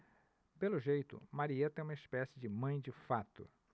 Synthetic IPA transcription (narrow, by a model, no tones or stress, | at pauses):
pelʊʒejt̪ʊ̰maɾiɐt̪ẽũmɐɪspɛsɪd͡ʒɪmɐ̃j̃d͡ʒɪfat̪ʊ̰